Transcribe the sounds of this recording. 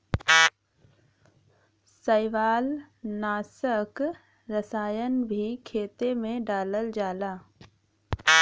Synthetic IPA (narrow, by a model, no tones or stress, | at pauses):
səɪʋaːlnaːsək | ɾəsaːjənbʱikʰeːt̪emẽɖaːləld͡ʒaːlaː